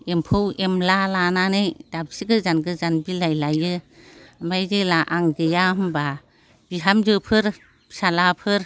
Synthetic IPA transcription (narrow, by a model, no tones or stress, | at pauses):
empʰɯwemlalananɯjdabsiɡɯzanɡɯzanbilajlajɯ | majzɯlaʔaŋɡɯjahmba | b̥iɦamd͡ʒɯpʰɯɾ | salapʰɯɾ